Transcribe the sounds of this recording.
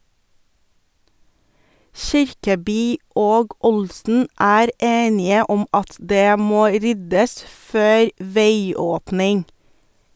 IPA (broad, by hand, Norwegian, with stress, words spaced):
ˈʃɪɾkəˌbyː ˈoːɡ ˈʊlsn̩ ˈæːɾ ˈeːnɪə ˈɔm ˈɑt ˈdeː ˈmoː ˈɾʏdəs ˈføːɾ ˈʋeɪˌoːpnɪŋ